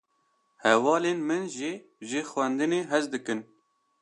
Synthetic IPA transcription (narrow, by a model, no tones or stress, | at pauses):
hɛvɑːleːnmɨnʒi | ʒɨxwɛnd̪ɨneːɦɛzd̪ɨkɨn